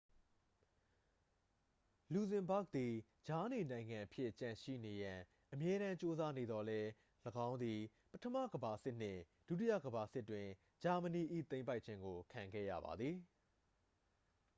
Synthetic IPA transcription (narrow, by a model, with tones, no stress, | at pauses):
lu˨zɪ̃˨mba˦k̚d̪i˨ | d͡ʑa˨˦ni˨nã˨ɪ̃ŋã˨ʔəpʰjɪ˦ʔt͡ɕã˨ʃḭ˦˨ne˨jã˨ | ʔəmjɛ˦ɾã˦t͡ɕo˦za˦ne˨d̪ɔ˨lɛ˦ | ləɡã˦ʊ̃nd̪i˨ | pətʰəma̰˦˨ɡəba˨sɪ˦ʔn̥ɪ̰̃˦˨ | d̥u˦t̬i˦jä̰˦˨ɡəba˨sɪ˦tːwɪ̃˨ | d͡ʑa˨mə˨ni˨ʔḭ˦˨t̪ẽ˦ɪ̃mp̬a˦ɪʔt͡ɕʰɪ̃˦ŋɡo˨kʰã˨ŋɡɛ̰˦˨ja̰˦˨ba̰˨d̪ði˨